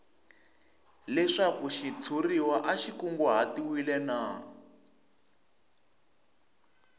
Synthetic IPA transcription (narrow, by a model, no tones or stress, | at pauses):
lɛʂakuʃit͡sʰuriwaʔaʃikuŋɡuɦatiwilɛna